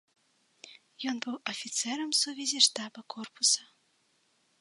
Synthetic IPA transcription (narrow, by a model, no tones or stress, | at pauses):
jɔnbɨwɐfʲit̪sɛɾɐmsuvʲɛzʲiʂt̪abɐkɔrpusɐ